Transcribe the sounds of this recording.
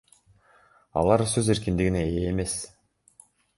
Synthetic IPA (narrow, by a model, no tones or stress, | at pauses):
ɑ̰lˠɑɾsø̞ze̞ɾkind̪iɡine̞eːme̞s